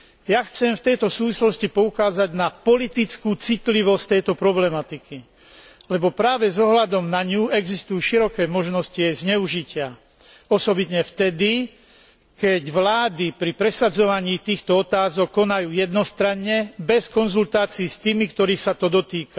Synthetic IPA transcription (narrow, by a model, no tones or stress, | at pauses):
jaxt͡sɛmft̪ɛjt̪ɔsuːʋislɔscipɔukaːzaɟnapɔlit̪it͡skuːt͡sit̪liʋɔsct̪ɛjt̪ɔpɾɔblɛmat̪ikʰi | lɛbɔpɾaːʋɛzɔɦlad̪ɔmnaɲuːɛɡzist̪ujuːʃiɾɔkɛːmɔʒnɔsciajzɲɛuʒicɪa | ɔsɔbit̪ɲɛft̪ɛd̪i | kɛɟʋlaːd̪ipɾipɾɛsad͡zɔʋaɲiːt̪iːxt̪ɔɔt̪aːzɔkːɔnajuːjɛd̪nɔst̪ɾaɲɲɛbɛskɔnzult̪aːt͡siːst̪iːmikt̪ɔɾiːxsat̪ɔd̪ɔt̪iːka